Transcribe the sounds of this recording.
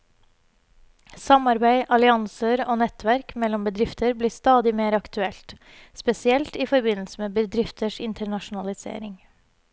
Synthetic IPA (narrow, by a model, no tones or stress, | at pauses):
sɑmɑɾbæɪʔɑlɪɑŋsəɾoːnɛt̪ʰʋæɾkmɛlɔmbəd̪ɾɪft̪ʰəɾbliːst̪ɑːd̪ɪmeːɾɑkt̪ʉɛlt̪ | spɛsɪɛlt̪iːfɔɾbɪnl̩səmeːbəd̪ɾɪft̪ʰəʂɪnt̪ʰəɳɑʃʊn̩ɑlɪsḛːɾɪŋ